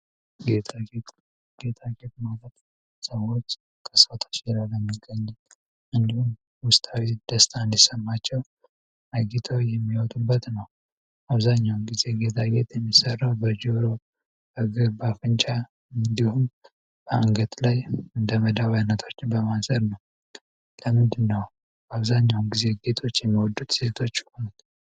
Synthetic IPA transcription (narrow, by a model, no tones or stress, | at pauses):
ɡet̪aɡet̪ | ɡ̥e̞t̪ʰaɡe̞t̪̚malət̪ | səwo̞t͡ʃː | kʰəsfət̪ʰo̥t͡ʃlaləmːiɡəɲːɛ | ɨnd̪ihum | wʊst̪ʼʰawid̪̥əst̪ʰand̪isəmːat͡ʃːɛw | ʔaɡit̪ʰojɛmːiwɔt̪ʼubːət̪nəw | aβzaɲːawmɡize̞ɡe̞t̪ʰaɡe̞t̪jɛmːisərːawbəd͡ʒoɾo̞ | əɡɨɾbafɨnt͡ʃʼa | ɨnd̪ihum | b̥əaŋɡət̪lajɨnd̪əməd̪aβajnːət̪ʰo̞t͡ʃːbəmasəɾnəw | ləmɨnd̪ɨnːəw | baβzaɲːawumɡize̞ɡe̞t̪ʰo̞t͡ʃːjɛmːiwɔd̪ːut̪se̞t̪ʰo̞t͡ʃːhonut̪